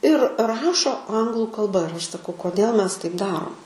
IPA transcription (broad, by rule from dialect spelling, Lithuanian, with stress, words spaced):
ɪr ˈrɑːʃoː ˈɐŋɡlˠʊ kɐlˠˈbɐ ɪr ˈɐʃ sɐˈkɐʊ koːˈdʲeːlˠ ˈmʲɛs tɐɪp ˈdɑːroːm